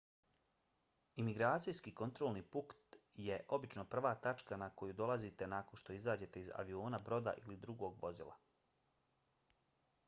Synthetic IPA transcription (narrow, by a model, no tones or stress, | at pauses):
imiɡɾaːt̪sijskiko̞nt̪ɾo̞ːlniːpukt̪je̞ʔo̞bit͡ʃno̞pr̩ʋaːt̪at͡ʃkanako̞jud̪o̞lazit̪e̞naːko̞nʃt̪o̞izaːd͡ʑe̞t̪e̞iza̰ʋio̞ːnabɾo̞d̪a̰ʔilid̪ɾuɡo̞ːɡʋo̞zḭlˠa̰